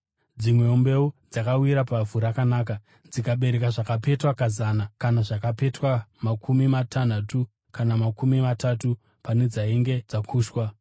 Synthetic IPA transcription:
d͡zimwe̞ombe̞ud͡zakawiɾapavuɾakanaːka | d͡zikaɓe̞ɾe̞kaʐakape̞twakazanakanaʐakape̞twamakʰumimatʰan̤atu | kanamakumimatatu | pane̞d͡zaiŋɡe̞d͡zakʰuːʃwa

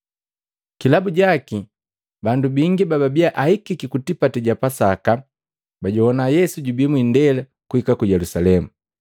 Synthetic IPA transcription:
kilabuɟaki | bandubiŋɡibababiaʔahikikikutipatɛɟapasaka | baɟɔhɔnajɛsuɟubimwindɛla | kuhikakujɛlusalɛmu

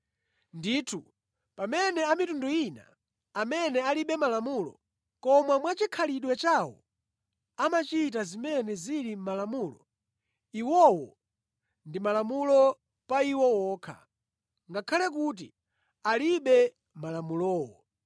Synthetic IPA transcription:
nditʰu | pamɛnɛamitunduina̰ | amɛnɛaliɓɛmalamulɔ̰ | kɔmwamwat͡ʃikʰaliɗwɛt͡ʃawɔ̰ | amat͡ʃitazimɛnɛziɾimalamulɔ̰ | iwɔwɔ | ndimalamulɔ | paiwɔwɔːkʰa̰ | ŋɡakʰalɛk̬ut̬ḭ | aliɓɛ | malamulɔːwɔ

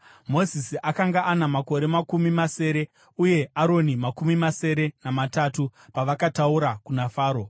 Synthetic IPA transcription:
mo̞zisiʔakaŋɡaʔanamako̞ɾe̞makumimase̞ːɾe̞ | uje̞ʔaɾo̞nimakumimase̞ɾe̞namatatupaʋakatauɾakunafaːɾo̞

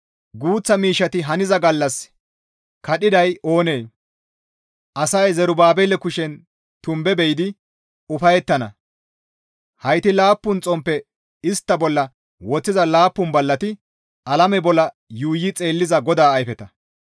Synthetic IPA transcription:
ɡuːt͡sːɐmiːʃːɐt̪ɪɦɐnɪzɐɡɐlːɐs | kɐɗɪd̪ɐjo̞ːneː | ʔɐsɐjzɛɾʊbaːbɛlːɛkʊʃɛn | t̪ʊmbɛbɛjɪd̪ɪ | ʊfɐjɛt̪ːɐnɐ̰ | hɐjt̪ɪlaːpːʊnt͡sʼɔmpːɛ | ɪst̪ːɐbɔlːɐ | wɔt͡sːɪzɐlaːpːʊnbɐlːɐt̪ɪ | ʔɐlɐmɛbɔlːɐ | juːjːɪt͡sʼe̞ːlːɪzɐɡɔd̪aːjfɛt̪ɐ

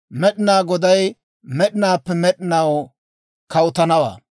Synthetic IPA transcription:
mɛɗɪnaːɡɔd̪ɐj | mɛɗɪnaːpːɛmɛɗɪnɐw | kɐʊt̪ɐnɐwa̰ː

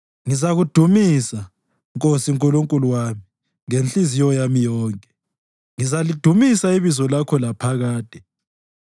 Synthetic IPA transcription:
ŋizaɣud̥ʱumisa | ŋkʼosiŋkʼuluŋkʼuluwami | ŋent͡ɬʼizijɔjamijɔːŋkʼɛ̥ | ŋizalid̥ʱumisaiβizɔlakʰɔlapʰaɣaːd̥ʱʼɛ

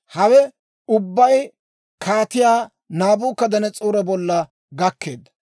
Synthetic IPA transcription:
hɐwɛ | ʊbːɐj | kʰaːt̪ɪjaː | naːbuːkːɐd̪ɐnɛt͡sʼuːɾɐbɔlːɐ | ɡɐkːe̞̰ːd̪ːɐ̥

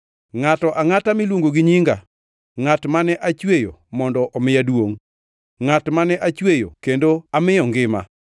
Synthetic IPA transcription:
ŋatɔʔaŋatamilwoŋɡoɡɪɲiŋɡa̰ | ŋatmanɛʔat͡ʃwejo̰mɔndɔʔɔmɪjadwoŋ | ŋatmanɛʔat͡ʃwejo̰kendoamɪɔŋɡɪma̰

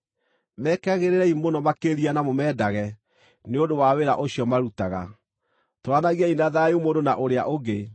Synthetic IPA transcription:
mɛkaɣeɾeɾɛimonɔmakeɾianamomɛdaɣɛ | neondowaweɾa̰ʔoɕiɔmaɾutaɣa̰ | toɾanaɣiainaðajomondonaʔoɾea̰ʔoɡe

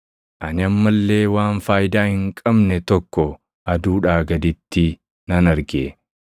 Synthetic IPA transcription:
ʔɐnɪɐmːɐlːe̞ːwaːnfaːjɪd̪aːhɪŋkʼɐbnɛt̪ɔkːɔ | ʔɐd̪uːᶑaːɡɐd̪ɪt̪ːɪ | nɐnɐɾɡeː

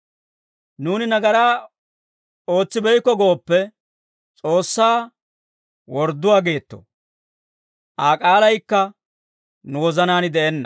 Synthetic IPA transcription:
nuːnɪnɐɡɐɾaː | o̞ːt͡sːɪbɛjkːɔɡo̞ːpːɛ | t͡sʼo̞ːsːaː | wɔɾd̪ːʊwaːɡe̞ːt̪ːo̰ | ʔaːkʼaːlɐjkːɐ | nʊwɔzɐnaːnɪd̪ɛʔɛnːɐ̥̰

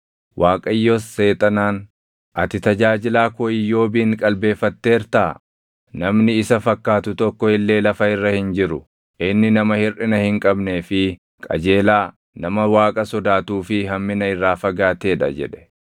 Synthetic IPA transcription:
waːkʼɐjːosːe̞ːt̪ʼɐnaːn | ʔɐt̪ɪt̪ɐd͡ʒaːd͡ʒɪlaːkɔɪjːo̞ːbiːŋkʼɐlbe̞ːfːɐt̪ːe̞ːɾt̪aː | nɐmnɪːsɐfɐkːaːt̪ʊt̪ɔkːɔɪlːe̞ːlɐfɐɪrːɐhɪnd͡ʒɪɾʊ | ʔɪnːɪnɐmɐhɪrʔɪnɐhɪŋkʼɐbne̞ːfɪ | kʼɐ̰d͡ʒe̞ːlaː | nɐmɐwaːkʼɐsɔd̪aːt̪uːfɪɦɐmːɪnɐɪrːaːfɐɡaːt̪e̞ːᶑɐ̰d͡ʒɛ̰ᶑɛ̥

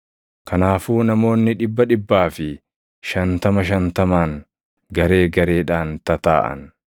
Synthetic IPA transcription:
kɐnaːfuːnɐmo̞ːnːɪᶑɪbːɐᶑɪbːaːfɪ | ʃɐnt̪ɐmɐʃɐnt̪ɐmaːŋ | ɡɐɾe̞ːɡɐɾe̞ːᶑaːnt̪ɐt̪a̰ːʔɐ̰n

